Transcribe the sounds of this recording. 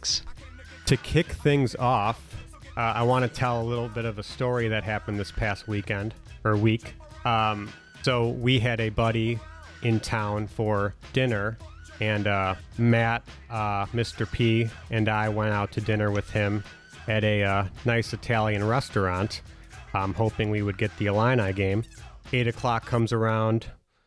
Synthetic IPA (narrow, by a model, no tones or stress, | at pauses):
s | tʰɨkʰɪkθɪ̃ŋzɔf | ʔʌa̰ɪwɑ̃ñɨtʰɛlˠəlɪɾl̩ˠbɪɾʌvəstɔɹiðɨt̚ɦæpn̩ðɪspʰæst̚wikɛ̃nd | ə˞wik | soʊwiɨɾɨbʌɾi | ʔɨ̃ntʰãʊ̃nfə˞d̥ɪ̃nə˞ | ɨ̃nʌmæt̚ | ʌmɪstə˞pʰi | ɨ̃naɪwɛ̃ɾ̃aʊtʰɨdɪ̃nə˞wɨð̥ɪ̃m | ɨɾɨʌnaɪsɨtʰælˠjɨ̃nɹɛstə˞ɑ̃nt | mhoʊpɪ̃ŋwiwɨd̚ɡɛt̪̚ðiɨlãɪ̃ñaɪɡẽɪ̃meɪɾɨkʰl̥ɑkʰʌ̃mzə˞ãʊ̃nd̥